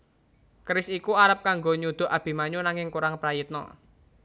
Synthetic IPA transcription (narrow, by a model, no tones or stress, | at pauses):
kɾɪsikuaɾəp̚kaŋɡoɲud̪̥ʊ̤ʔab̥i̤maɲunaŋɪŋkuɾaŋpɾajit̪̚nɔ̰